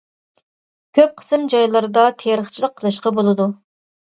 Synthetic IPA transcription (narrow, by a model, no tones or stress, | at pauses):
kʲʰøp̚qʰə̥sɨmd͡ʒɑjlˠɨɾɨd̪ɑt̪ʰeɾəχt͡ʃʰilˠəqʰːəlˠɨʃqɑbolˠɨd̪u